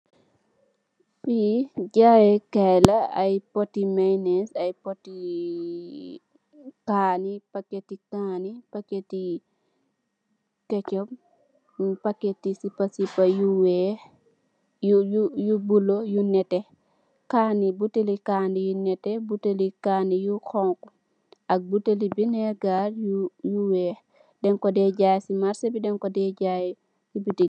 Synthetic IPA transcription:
fid͡ʒajɛkɛjlaajpotːimajnɛsajpotːi | kaːnipaketikanipakːeti | kɛt͡ʃɔm | pakːetisipːasipajuwɛ | ujujubulojunɛtɛ | kanibutelikandijunɛtɛbutelikaːnijukɔŋku | ʔak̚butelibinɛɾɡaɾjujuwɛ | dɛŋkɔdɛɟajsimaɾsebidɛŋkɔdɛɟaj | sibiti

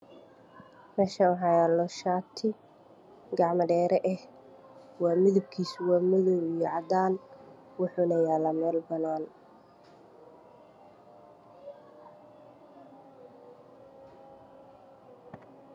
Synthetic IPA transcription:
mɛːʃɐɦɑjaːlɔʃaːt̪ʰɪ | ɡɑʕmɐɖɛːɾɛʔɛh | wɑːmɪðɪb̚kʰiːswɑːmɪðɔwijɔʕɑd̪aːn | wʊħʊːnɐjaːlɐmɛːlbɐnaːn

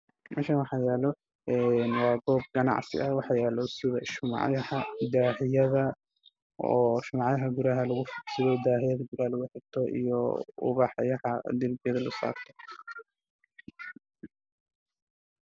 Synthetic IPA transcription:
mʔɛ̰ʃawɑħɑːjɛːlɔ | ɛːnwɑːɡɔːb̚ɡɐnɑ̰ʕsɪ̰ʔɐwɑħɑːjɛːlɔsɪðɐʃʊm̰ʕjɐhɐd̪aːħɪjɐðɐ | ɔːʃʊmɑʕjɐɦɐɡʊɾaːɦɐlɐɣʊfiksɪðɔd̪aːħɪjɐðɐɡʊɾaːlɐɣʊħɪbt̪ʰɔʔḭjɔʊ̰βɑːħɑjɐhɐd̪ɪlbɪjɐðɐlʊsa̰ːft̪ʰɔ̥

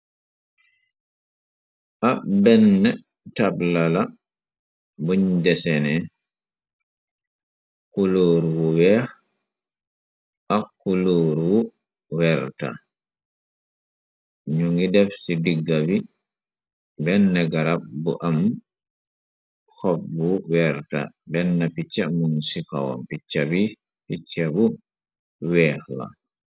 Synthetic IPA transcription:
ʔabɛnːɛ | tablala | buɲdɛsɛnɛ | kuloːɾwuwɛh | ʔakːuloːɾwu | wɛɾta̰ | ɲuŋɡidɛfsidiɡːabi | bɛnːaɡaɾabbṵʔam | hɔbwuwɛɾta̰bɛnːapit͡ʃːamunsika̰wa̰mpit͡ʃːabi | pit͡ʃːabu | wɛhla̰

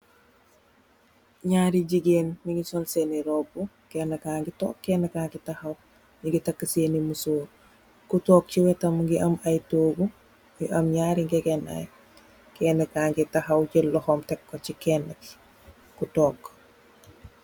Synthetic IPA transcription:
ɲaːɾiɟiɡeːnmiɡisɔlseniɾɔbu | kɛnːɐkaːŋɡitɔːkːɛnɐkaːŋɡitahɐw | niŋɡitɐkːəseːnimusoːɾ | kutɔːk̚t͡ʃiwɛtɐmɡiɐmɐjtoːɡu | ɡiʔɐmɲaːɾiŋɡɛɡɛnɐ̰j | kɛːnɛkaŋɡitahɐwt͡ʃilɔhɔmtɛkːɔcikɛnək | kutɔk

